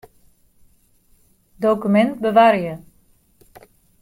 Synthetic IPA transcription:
dowkymɛnt̚bəʋaːɾjə

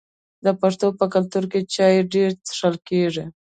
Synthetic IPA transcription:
d̪əpaʂt̪opəkalt̪uɾket͡ʃɑjeɖeɾt̪ʂəlkeʐi

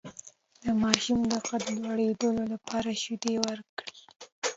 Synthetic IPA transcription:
d̪̥əmɑʃumd̪əqad̪lwaɽed̪əlolapʰɑɾaʃud̪ewəɾkɽi

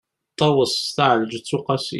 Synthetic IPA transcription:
t̪ˤːɑwəsˤt̪aʕləd͡ʒt͡sːʊqɑsḭ

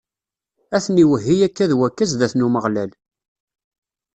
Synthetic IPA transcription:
æθniwəɦːijækːæðwækːæzðæθnuməʁlæl

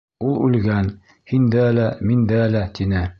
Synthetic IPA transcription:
ulˠʉ̰lɡæn | hind̪ælæmind̪ælæt̪inɘ

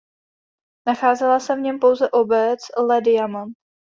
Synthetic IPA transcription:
naxaːzɛlasɛvɲɛmpo̞wzɛʔo̞bɛt͡slɛdɪjama

